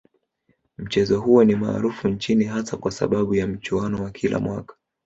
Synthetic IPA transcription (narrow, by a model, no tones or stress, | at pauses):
m̩t͡ʃɛzɔhuɔnima̰ːɾufunt͡ʃiniɦasakwasa̰ɓaɓujam̩t͡ʃuanɔwakʰilʔa̰mwa̰kḁ